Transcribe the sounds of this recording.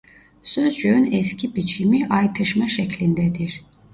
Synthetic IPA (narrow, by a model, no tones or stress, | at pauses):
søzd͡ʒøynɛscʰibit͡ʃʰimiʔajt̪ʰɯʃmaʃɛclʲind̪ɛd̪iɾ̥